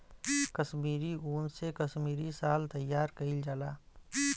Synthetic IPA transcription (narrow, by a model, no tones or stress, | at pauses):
kəʃmiːɾiuːnsekəʃmiːɾisaːlt̪əjːaːɾkəild͡ʒaːlaː